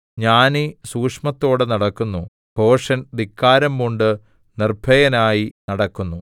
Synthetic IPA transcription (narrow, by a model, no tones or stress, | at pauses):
ɲaːnisuːkʂmɐt̪ːo̞ːɽɨnɐɽɐkːunːu | bʱo̞ːʂɐnd̪ikːaːɾɐmːuɳɖɨ | nirbʱɐjɐnaːjinɐɽɐkːunːu